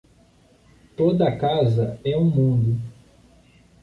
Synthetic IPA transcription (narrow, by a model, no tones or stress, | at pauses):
t̪od̪ɐɐkazɐɛũmũnd̪ʊ